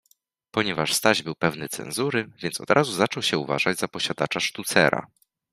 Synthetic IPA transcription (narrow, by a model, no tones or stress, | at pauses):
pɔɲɛvaʂst̪aʑbɘwpɛvnɘt̪sɛ̰nzuɾɘvʲjɛntsɔ̰d̪ɾʔazuzat͡ʂɔwɕɛuva̰ʐad͡ʑzapɔɕad̪at͡ʂaʂt̪ut̪sɛ̰ɾa̰